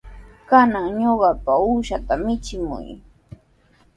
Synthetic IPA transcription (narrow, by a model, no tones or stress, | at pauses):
kanaŋɲoɢɑpauʃat̪amɪt͡ʃɪmʊ̰j